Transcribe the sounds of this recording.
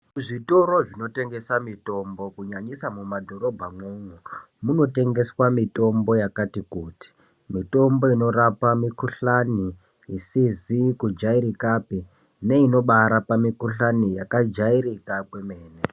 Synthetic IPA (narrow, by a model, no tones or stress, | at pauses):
uʐito̞ɾo̞ʐino̞te̞ŋɡe̞samito̞mbo̞kuɲaɲisamumadʱo̞ɾo̞bʱamwuŋu | muno̞te̞ŋɡe̞swamito̞mbo̞jakatikuːti̥ | mito̞mbo̞ino̞ɾapamikuɬani | isizikud͡ʒaiɾikapi | ne̞ino̞ɓaɾapamikuɬanijakad͡ʒaiɾikakwe̞me̞ːne